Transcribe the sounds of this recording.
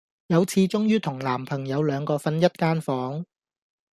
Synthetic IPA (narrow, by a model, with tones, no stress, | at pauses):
jɐ˨˧wt͡sʰiː˧t͡ʃʊ˥ŋjyː˥t̪ʰʊ˨˩ŋlaː˨˩mpʰɐ˨˩ŋjɐ˨˧wlœː˨˧ŋkɔː˧fɐ˧njɐ˥t̚kaː˥nfɔː˨˥ŋ